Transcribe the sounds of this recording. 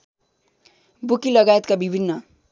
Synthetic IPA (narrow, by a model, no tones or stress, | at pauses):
bukiləɡajət̪̚kabibʱinːə